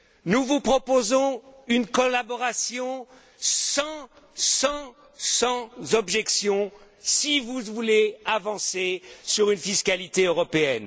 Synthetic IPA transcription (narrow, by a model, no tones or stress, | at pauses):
nuvupχɔpozɔ̃ynkɔlabɔʁasjɔ̃ | sɑ̃ | sɑ̃ | sɑ̃zɔbʒɛksjɔ̃ | sivuvuleavɑ̃sesyʁynfiskʲalit̪eøʁɔpeɛn